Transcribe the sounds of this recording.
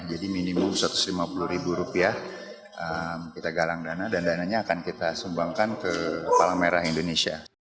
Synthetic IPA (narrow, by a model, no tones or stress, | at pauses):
d͡ʒadiminimʊmsɾat̪ʊ̥slimapuluhɾibuɾupia | ʔəmkit̪aɡalaŋdanadandanaɲaːkankit̪asumbaŋkankəpalaŋmeɾaɦindonesia̰